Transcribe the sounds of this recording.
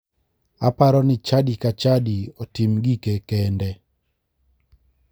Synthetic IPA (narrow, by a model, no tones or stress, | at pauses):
a̰paɾɔnɪt͡ʃadikat͡ʃadiɔtimɡikekɛndɛ